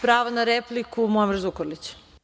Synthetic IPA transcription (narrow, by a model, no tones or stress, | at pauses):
pɾaːʋanaɾeplikumoamiɾzukoɾlit͡ɕ